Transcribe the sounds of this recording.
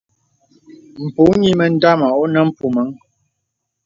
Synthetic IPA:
m̩˨pu˨˦ɲi˦mə˨n̩˦da˦ma˨ʔo˦nə˨m̩˦˨pu˨mə˨˦ŋ

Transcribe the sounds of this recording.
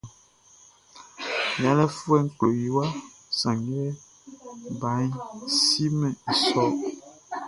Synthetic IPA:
mĩ˨a˨lɛ˦fu˦ɛ˦ŋ̩˦˨klo˨ji˨wa˦ | sã˨ŋɡɛ˦ | ba˨˦ɲ˦si˦mɛ̃˨i˨sɔ˦

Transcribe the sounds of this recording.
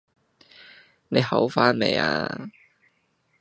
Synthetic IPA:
ne˨˧jhɐ˨˥wfaː˥nnḛ˨˧ja̰ː˧

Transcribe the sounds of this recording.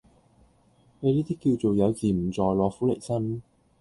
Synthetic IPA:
me˨˧liː˥t̪iː˥kːiː˧wt͡so˨wjɐ˨˧wt͡siː˨m̩˨˩t͡sɔː˨jlɔː˨˧fuː˨˥le˨˩jsɐ˥n˥

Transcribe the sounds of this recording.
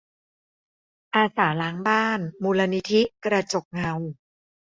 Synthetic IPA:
ʔaː˧saː˩˦laː˦˥ŋbaː˥˩nmuː˧la˧ni˦˥t̪ʰi˦˥kɾa˧t͡ɕo˨˩k̚ŋa˧w

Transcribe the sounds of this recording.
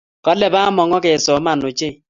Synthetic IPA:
kɔ˦lɛ˨ba˦mɔ˨ŋɔ˦ke˨sɔ˨˦ma˨no˨t͡ʃe˦˨

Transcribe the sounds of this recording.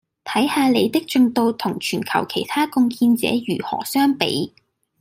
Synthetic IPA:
t̪ʰɐ˨˥jhaː˧le˨˧jt̪ɪ˥k̚t͡ʃɵ˧ŋt̪o˧wt̪ʰʊ˨˩ŋt͡ʃʰyː˨˩nkʰɐ̰˨˩wkʰe˨˩jt̪ʰaː˥kʊ˧ŋkʰiː˧nt͡sɛ̰ː˨˥jyː˨˩hɔ̰ː˨˩sœː˥ŋpḛ˨˥j

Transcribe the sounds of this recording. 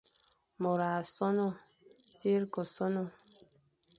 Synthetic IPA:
mɔ˨ɾa˨sɔ˦nɔ˦ | ti˦ɾkɔ˨sɔ˦nɔ˦

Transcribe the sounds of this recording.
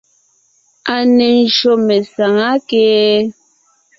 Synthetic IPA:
a˨ne˨n̩˨ʃo˨mɛ˨sa˨ŋa˦keː˦

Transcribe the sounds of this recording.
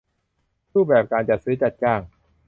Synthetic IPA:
ɾuː˥˩p̚bɛː˨˩p̚kaː˧nt͡ɕa˨˩sɯː˨˦˥t͡ɕa˨˩t̪̚t͡ɕaː˧˩ŋ

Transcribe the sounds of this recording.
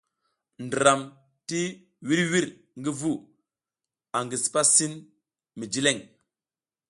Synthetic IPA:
ndi˨ɾa˨m | ti˦ | wi˦ɾwi˦ɾ | ŋɡi˦vu˦ | a˨ŋɡi˨spa˦si˦n | mi˨d͡ʒi˦le˦˨ŋ

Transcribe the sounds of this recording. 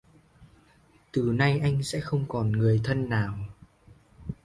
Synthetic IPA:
t̪ɨ˨˩na˧jʔa˧jŋ̟sɛ̰˧˥xə˧wŋ͡mkɔ˨˩nŋɨ˨˩əjt̪ʰə˧nːaː˨˩w

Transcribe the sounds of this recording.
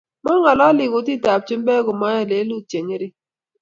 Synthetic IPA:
mɔ˦ŋɔ˨lɔ˦lɪ˨ɡʊ˨˦ti˦˨ta˨p̚t͡ʃɪ˦m˦bɛ˦ɡʊ˨ma˦a˦˨le˨˦lu˦t͡ʃe˨ɲe˦ɾɪ˦

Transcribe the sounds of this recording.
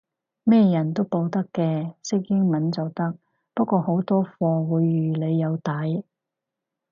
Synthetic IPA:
mɛː˥jɐ˨˩nt̪o˥wpo˧wt̪ɐ˥kːɛː˧sɪ˥k̚jɪ˥ŋmɐ˨˥nt͡sɐ˨wt̪ɐ˥k̚ | pɐ˥kʷɔː˧ho˨˥wt̪ɔː˥fɔː˧wu˨˧jːyː˨˩le˨˧jːɐ˨˧wt̪ɐ˨˥j

